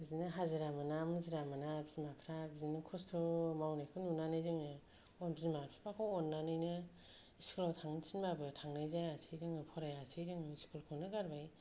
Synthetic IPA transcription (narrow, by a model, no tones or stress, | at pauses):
bizinɯɦaziɾamanamɯziɾamanabizimapʰɾabizinɯkʰɔstʰɔmawnajkʰɯnunanɯjzɯŋɯ | ɔnbizimapʰɾapakʰɔwɔnːanɯjnɯ | iskʰulawtʰaŋnɯsʰinbabɯtʰaŋnajzajasʰɯjdɯŋɯpʰɔɾajasʰɯjdɯŋiskʰulkʰɯwnɯɡaɾbaj